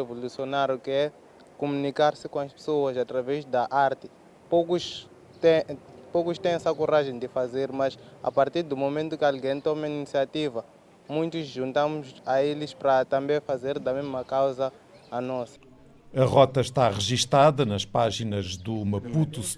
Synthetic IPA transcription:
evolusionaɾjukɪɛ | kumunikaɾsɪkõɐʃpe̥soɐzat̪ɾavɛʒd̪ɐʔaɾt̪ɪ | pokuʃ | t̪epokuʃt̪ẽj̃ɛsɐkoɾaʒẽj̃d̪ɪfazeɾmɐʃa̰paɾt̪iɾd̪umomẽnt̪ukɪalɡẽj̃t̪ɔmainisiat̪ivɐ | mũj̃t̪uzʒũnt̪ãmuzaelɪʃpɾɐt̪ɐ̃mbẽj̃fazeɾd̪ɐmeʒmɐkawzɐː | nɔsɐ̥ | ɐʁɔt̪ɐʃt̪aʁɨʒiʃt̪aðɐnɐʃpaʒinɐʒd̪umɐput̪u

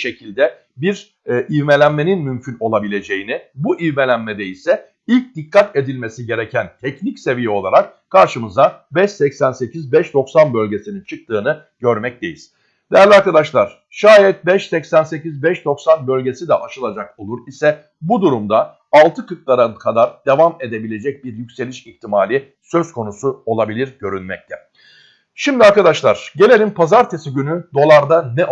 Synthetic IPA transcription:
ʃe̞cʰilʲd̪ɛ | biɾ | ʔivme̞lʲænme̞ninmymcʰyno̞lˠabilʲe̞d͡ʒe̞jinibuʔivme̞lʲænmɛd̪ɛisɛ | ilʲc̚d̪ikʰːat̪e̞d̪ilʲme̞siɟe̞ɾecʰænt̪ʰɛcnicse̞vijɛo̞lˠaɾak | kʰːaɾʃɯmɯzd̪abɛʃsɛcsænse̞cʰizbɛʃd̪o̞ksanbø̞lʲɟe̞sinint͡ʃʰɯk̚t̪ʰɯːnɯ | ɟ̥øɾmɛc̚d̪e̞jiz̥ | d̪̥ejæɾlʲiaɾkad̪aʃlˠaɾ̥ | ʃaːjɛt̪̚bɛʃsɛcsænse̞cizbɛʃd̪o̞ksanbø̞lʲɟe̞sid̪ɛʔaʃɯlˠad͡ʒako̞lˠuɾisɛ | bud̪uɾumd̪a | alˠt̪ʰɯkɯk̪̚lˠaɾakʰad̪aɾd̪̥e̞vame̞d̪e̞bilʲe̞d͡ʒɛc̚biɾjycʲse̞lʲiʃiçt̪ʰimaːlʲi | sø̞zkʰo̞nusuo̞lˠabilʲiɾɟø̞ɾynmɛc̚t̪ʰɛ | ʃimd̪iaɾkad̪aʃlˠaɾ̥ɟe̞lʲe̞lʲimpʰazaɾt̪ʰesiɟynyd̪o̞lˠaɾd̪anɛ

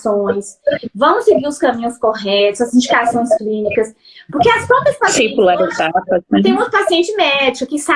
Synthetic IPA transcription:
sõj̃svɐ̃w̃ʊseɡiɾʊskɐ̃mĩɲʊskoɦɛt̪ʊzɐzĩnd͡ʒikasõj̃sklĩnikɐs | pʊɾkeɐspõpɐspasẽj̃pulaɾizat̪ɐzt̪ẽj̃owt̪ɾʊpasiẽnt͡ʃɪmɛd͡ʒikʊkɪsa

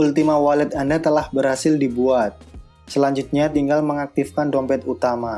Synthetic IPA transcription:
ult̪imawalɪt̪andat̪əlahbərhasɪldibuat̪̚ | səlaɲd͡ʒut̪̚ɲat̪iŋɡalməŋak̚t̪ifkandɔmpɛt̪ut̪ama

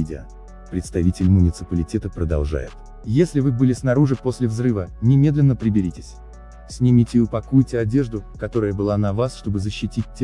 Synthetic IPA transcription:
idʲɪə̰ | pɾʲɪt̪st̪ɐvʲitʲɪlʲmʊnʲɪt̪sɨpəlʲɪtʲet̪əpɾəd̪ɐ̰lˠʐa̰jɪ̰t̪ | jesʲlʲɪvɨbɨlʲɪsnɐɾuʐɨpo̞sʲlʲɪvzrɨvənʲɪmʲe̞d̪lʲɪnːəpɾʲɪbʲɪɾʲitʲɪ̥sʲ | sʲnʲɪmʲitʲɪʊpɐkujtʲɪɐdʲeʐd̪ʊkɐt̪o̞ɾəjəbɨlˠanɐvasʂt̪o̞bɨzəɕːɪtʲit̚ʲtʲː

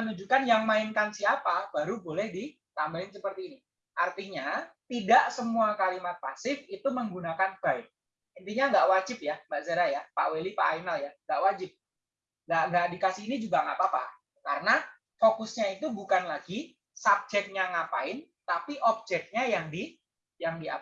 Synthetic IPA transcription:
ənud͡ʒukanjaŋmaɪnkansiapab̥aɾubolɛhdi | t̪ambalɪnsəpərt̪iːni | ʔart̪iɲat̪idaʔsəmuakalimat̪̚pasɪfit̪uməŋɡunakanb̥aɪk̚ | int̪iɲaŋɡaʔwad͡ʒɪp̚jambaʔsaɾajapaʔwelipaʔainaljaŋɡaʔwad͡ʒɪp̚ | ŋɡaʔŋɡaʔdikasɪinid͡ʒuɡaŋapapa̰ | kaɾəna | fokʊsɲait̪ubukanlaɡi | sab̚d͡ʒɛk̚ɲaŋapaɪn | t̪apiʔɔp̚d͡ʒɛk̚ɲajaŋdi | jaŋdia̰

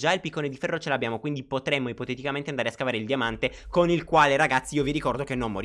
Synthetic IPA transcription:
d͡ʒailpikːoned̪ifɛrːot͡ʃelabːjaːmokwind̪ipot̪ɾemːoipot̪et̪ikament̪eand̪aɾeaskavaːɾeild̪jamant̪ekonilkwaːleɾaɡat̪sːiːoviɾikɔrd̪okenːomːoɾ

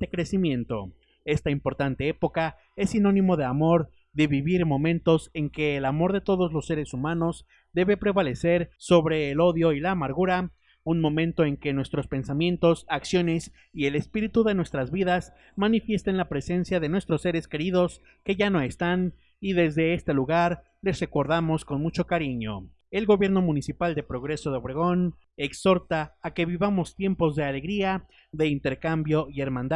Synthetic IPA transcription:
ekɾe̞simjẽ̞nt̪o̞̰ | e̞st̪aimpo̞ɾt̪ant̪e̞e̞po̞ka | e̞sːino̞nĩmo̞ðe̞amo̞ɾ | ðe̞βiβiɾmõ̞mẽ̞nt̪o̞se̞ŋke̞ːlamo̞ɾðe̞t̪o̞ðo̞zlo̞sːe̞ɾe̞sumãno̞z | d̪e̞βe̞pɾe̞βale̞se̞ɾso̞βɾe̞ːlo̞ðjo̞ilaːmaɾɣuɾa | unmõ̞mẽ̞nt̪o̞e̞ŋke̞nwe̞st̪ɾo̞spe̞nsamjẽ̞nt̪o̞saksjo̞ne̞s | ie̞le̞spiɾit̪uðe̞nwe̞st̪ɾazβiðas | manifje̞st̪enlapɾe̞se̞nsjaðe̞nwe̞st̪ɾo̞sːe̞ɾe̞ske̞ɾiðo̞s | ke̞ʝano̞e̞st̪an | iðe̞zðe̞est̪e̞luɣaɾ | le̞sre̞ko̞ɾðamo̞sko̞nmut͡ʃo̞kaɾiɲo̞̰ | e̞lɣo̞βje̞ɾno̞mũnisipald̪e̞pɾo̞ɣɾe̞so̞ðeβɾeɣo̞n | ekso̞ɾt̪aːke̞βiβamo̞st̪je̞mpo̞zðe̞ale̞ɣɾia | ðe̞int̪e̞ɾkambjo̞ie̞ɾmãnd̪a

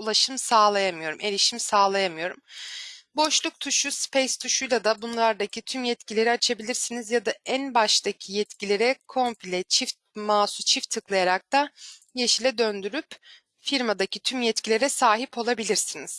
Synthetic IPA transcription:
ulˠaʃɯmsaːlˠajamɯjo̞ɾume̞lʲiʃimsaːlˠajamɯjo̞ɾumbo̞ʃlˠuk̚t̪ʰuʃuspʰɛjst̪ʰuʃujlˠad̪abunlˠaɾd̪acʰit̪ʰymjɛt̪cilʲe̞ɾiat͡ʃʰabilʲiɾsinizjad̪aænbaʃt̪ʰacʰijɛt̪cilʲe̞ɾɛkʰo̞mpʰilʲɛt͡ʃʰift̪̚maːsut͡ʃʰift̪ʰːɯklˠajaɾak̚t̪ajeʃilʲɛd̪ønd̪yɾyp | fiɾmad̪acʰit̪ʰymjɛt̪cʰilʲe̞ɾɛsaːɦipʰo̞lˠabilʲiɾsiniz̥

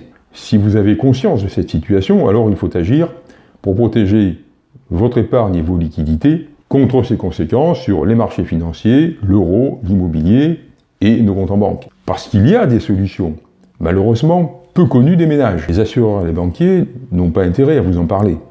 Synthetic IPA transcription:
sivuzavekɔ̃sjɑ̃sd̪əsɛt̪sit̪ɥasjɔ̃a̰lɔʁilfot̪aʒiːʁ | puʁpχɔt̪eʒe | vɔt̪χepaʁɲevolikʲid̪it̪e | kɔ̃t̪χəsekɔ̃sekɑ̃sːyʁlemaʁʃefinɑ̃sjeløʁolimɔbiljeː | nokɔ̃t̪ɑ̃bɑ̰̃kpaʁsə̥kiliad̪esɔlysjɔ̃ | maløʁøzmɑ̃pøkɔnyd̪emenaʒlezasyʁœʁelebɑ̃kʲjenɔ̃paɛ̃t̪eʁɛavuzɑ̃paʁle

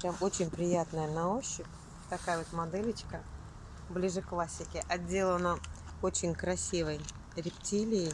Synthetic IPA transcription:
pɾʲamo̞t͡ɕɪnʲpɾʲɪjat̪nəjənɐoɕːɪk | t̪ɐkajəvot̪mɐd̪ɛlʲɪt͡ɕkə | blʲiʐɨklˠasʲːɪkʲɪʔɐdʲe̞lˠənəo̞t͡ɕɪnʲkɾɐsʲivəj | ɾʲɪptʲilʲɪjɪj

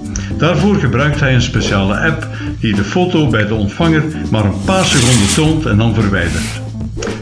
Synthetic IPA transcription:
d̥aːrvoːrɣəbrœɥk̚tɦɛjənspesaːlə̰ʔɛp | d̥idəfoːtobɛjdəɔntfɑŋər | maːɾənpaːrsəkɔndətoːntɛ̰ndɑnvərʋɛjdərt

